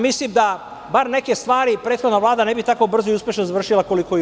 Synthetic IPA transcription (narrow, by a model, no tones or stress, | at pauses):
mislimd̪a | baɾne̞ke̞st̪ʋaːɾipɾe̞ːt̪xo̞d̪naʋlˠaːd̪ane̞bit̪akobr̩zoiuspjeʃnozaʋr̩ʃilako̞liko